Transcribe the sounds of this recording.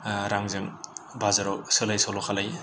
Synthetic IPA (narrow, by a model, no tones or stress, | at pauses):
ɾaŋzɯŋbʱazaɾɔk̚sɯlajsɔwlɔkʰalaj